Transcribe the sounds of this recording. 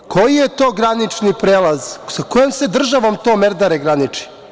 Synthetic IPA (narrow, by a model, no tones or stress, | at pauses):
kʰo̞jijet̪o̞ːɡɾanit͡ʂnipɾeːlˠazsakojemsed̪r̩ʒaʋomt̪o̞meɾd̪aɾeɡɾanit͡ʂi̥